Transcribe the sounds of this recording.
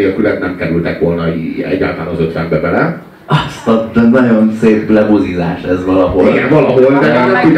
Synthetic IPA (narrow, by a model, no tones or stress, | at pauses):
ɒkylɛt̪nɛmkɛɾylt̪ɛkʋolnɒiɛ̰ɟːa̰ːt̪aːnɒzøt̪ʋɛmbɛbɛlɛ | ɒst̪ɒd̪ɛnɒɟonseːpɡlɛbozizaːʃɛzʋɒlɒɦo̰liɡɛɱvɒlɒɦold̪ɛnɛkit̪